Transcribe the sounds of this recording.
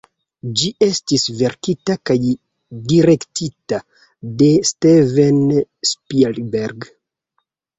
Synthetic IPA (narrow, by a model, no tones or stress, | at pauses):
d͡ʒiʔe̞stisve̞ɾkitakaj | diɾe̞ktita | de̞stevenspilbeɾɡ